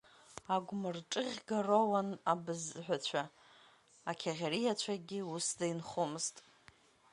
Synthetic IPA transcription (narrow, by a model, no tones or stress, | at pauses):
aɡʷmɨrʈ͡ʂʼɨʁʲɡarowanabɨzħʷᶣat͡ɕʷʰa | akʲʰaʁʲaɾijat͡ɕʷʰaɡʲɪusdainχomɨztʼ